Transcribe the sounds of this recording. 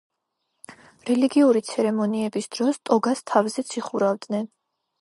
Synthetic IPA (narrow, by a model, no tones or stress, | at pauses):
ɾɛliɡiuɾit̪sʰɛɾɛmɔniɛbisd̪̥ɾɔst̪ʼɔɡast̪ʰavzɛt̪sʰiχuɾavd̪nɛn